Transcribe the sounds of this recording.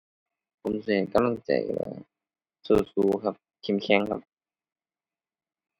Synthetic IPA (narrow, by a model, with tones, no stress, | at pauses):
pʰo˨˧˦msa˧˨e˨˩ka˧˨mla˧˩ŋt͡ɕa̰˨˩jla̰˧˩ | soː˧˩suː˧˦kʰa˧˥p̚ | kʰi˧˨mkʰɛ˧˥˨ŋkʰa˧p̚